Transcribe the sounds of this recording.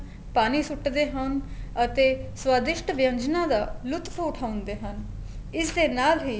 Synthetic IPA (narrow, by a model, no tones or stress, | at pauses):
paːniːsʊʈd̪eːɦənət̪eːswaːd̪ɪʃʈʋɪjə̃ɲd͡ʒnãːd̪aːlʊt̪kʰoːʊʈʰaːʊnd̪eːɦən | ɪsd̪eːnaːlɦiː